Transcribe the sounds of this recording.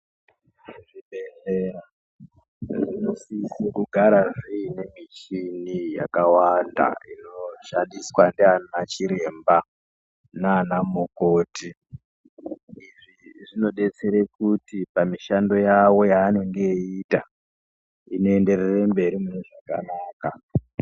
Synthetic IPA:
ʐibʱeɬera | ʐino̞siːsekuɡʱaɾaʐiine̞mit͡ʃinija̰kawanda̰ino̞ʃandiswandeanat͡ʃiɾe̞mba | naːnamokoːti | iʐiʐino̞ɗe̞t͡seɾekutipamiʃando̞jawo̞jaːno̞ŋɡe̞ita | ino̞e̞nde̞rerembe̞ɾimuneʐaka̰naːka

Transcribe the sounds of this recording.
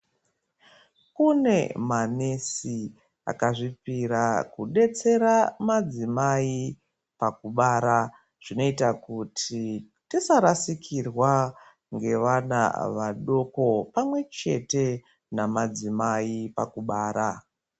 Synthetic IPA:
kune̞manesi | a̰kaʐipiɾakuɗe̞t͡se̞ɾamad͡zimai | pakuɓaːɾa | ʐ̥ino̞itakutʰi | tisaɾasikʰirwa | ŋɡe̞ʋana̰ʋa̰ɗo̞ko̞pamwe̞t͡ʃe̞̰te̞ | namad͡zimaipa̰kuɓaːɾa

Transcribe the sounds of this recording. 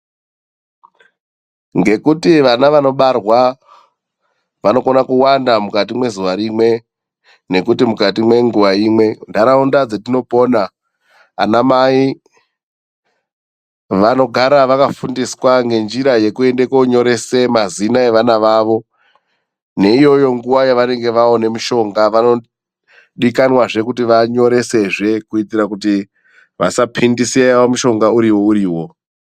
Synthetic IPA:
ŋɡe̞kutiʋanaʋano̞ɓarwa | ʋano̞ko̞nakuwandamukat̬imwe̞zuʋaɾimwe̞ | ne̞kutimukatimwe̞ŋɡuʋaimwe̞ndaɾaundad͡zetino̞po̞naː | namai | ʋano̞ɡʱaɾaʋakafundiswaŋɡe̞nd͡ʒiɾaje̞kue̞nde̞koɲo̞ɾe̞semazinae̞ʋanaʋaːʋo̞ | ne̞ijo̞jo̞ŋɡuʋajaʋane̞ŋɡe̞ʋao̞ne̞muʃo̞ŋɡaʋano̞ | ɗikanwaʐe̞kutiʋaɲo̞ɾe̞se̞ʐe̞kuitiɾakuti | ʋasapʰindisiaaomuʃo̞ŋɡauɾiwo̞uɾiːwo̞

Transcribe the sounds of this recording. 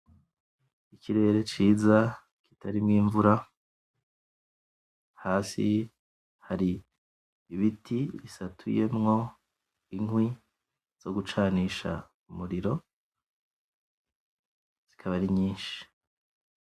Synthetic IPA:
icʰiɾe̞ːɾe̞t͡ʃiːza | ki̥tʰaɾimŋiːɱvuɾa | haːsi | haɾiː | βitʰiβisatʰuje̞̰mŋo̞ | iŋwi | z̥o̞ɡut͡ʃaːniːʃa̰ | umuɾiɾo̞ | z̥i̥kʰaβaɾiɲiːnʃi̥

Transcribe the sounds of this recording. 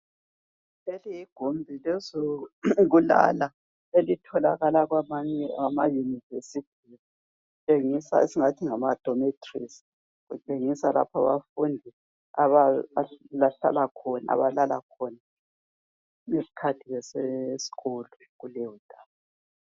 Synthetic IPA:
lelijiɡ̥ʱombʱilezoɣula̰la | elitʰɔla̰ɣalaɣwamaɛwamajunivesitʰi | t͡ʃʼeŋisa̰esiŋatʰiŋamad̥ʱɔmetʰʼrḭsi̥ | ɣut͡ʃʼeŋisala̰pʰaβafundʱi | aβa | laɬa̰lakʰɔna̰a̰βalala̰kʰɔna | ŋesi̥kʰatʰiɣɛsesi̥ɣolɔ | ɣulewud̥ʱaːβa

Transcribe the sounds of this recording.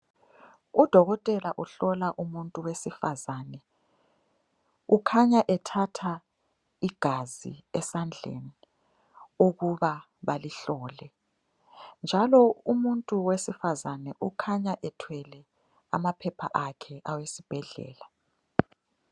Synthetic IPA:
ud̥ʱɔɣɔtʼɛlaʔuɬɔlaʔumuntʼuwesifazaːnɛ | ukʰaɲaʔɛtʰatʰa | iɡ̥ʱazḭɛsand͡ɮʱḛni | oɣuβa | βaliɬɔːlɛ | nd͡ʒʱalɔumuntʼuwesifazanɛʔukʰaɲaʔɛtʰwɛlɛ | a̰mapʰɛpʰa̰ʔakʰɛʔawesib̥ʱɛɮɛ̰ːla

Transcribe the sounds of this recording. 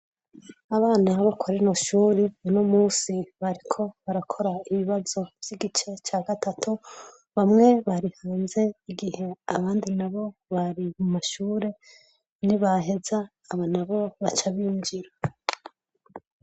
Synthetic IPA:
aβaːnaβokʰoɾinoʃuːɾemunomuːsiβaɾikʰo̞βaɾakʰo̞ɾaiβiβazo̞vjiɡit͡ʃe̞t͡ʃaːɡatatʰu | βamŋe̞βaɾihaːnze̞iɡihe̞a̰βaːndinaβo̞βaɾimumaʃuːɾe̞ | niβaɦe̞zaː | βanaβo̞βat͡ʃaβijuŋd͡ʒiɾa

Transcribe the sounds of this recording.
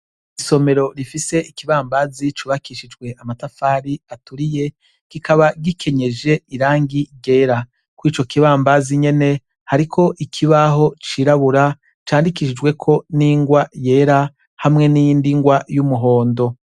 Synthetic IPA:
iso̞me̞ɾo̞ɾifise̞ikiβaːmbazit͡ʃuβakiʃid͡ʒɡwe̞ʔamatafaːɾiatuɾije̞ | kikaβaɡikʰe̞ɲe̞d͡ʒe̞iɾaːŋɡiɡe̞ːɾa | kwiːt͡ʃo̞kiβaːmbaziɲe̞ne̞ | haɾikʰo̞ʔikʰiβaɦo̞t͡ʃiɾaβuɾa | t͡ʃaːndikiʃid͡ʒwe̞kʰo̞niːŋɡwaje̞ːɾa | hamŋe̞nijindiŋɡwajumuɦo̞ːndo̞

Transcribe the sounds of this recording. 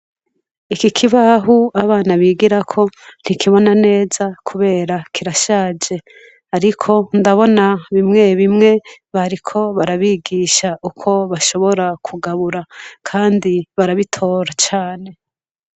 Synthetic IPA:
ikikʰiβaɦuaβaːnaβiːɡiɾakʰo̞n̥ikʰiβo̞nane̞ːzakʰuβe̞ːɾakʰiɾaʃaːd͡ʒe̞ | aɾikʰo̞ndaβo̞naβimŋe̞βimŋe̞βaɾikʰo̞βaɾaβiːɡiːʃaʔukʰo̞βaʃo̞βo̞ɾakʰuɡaβuɾakʰaːndiβaɾaβitʰo̞ːɾat͡ʃaːne̞

